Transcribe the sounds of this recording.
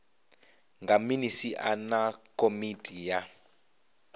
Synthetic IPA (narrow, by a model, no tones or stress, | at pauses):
ŋɡaminisiʔa̰nakʼomitʼija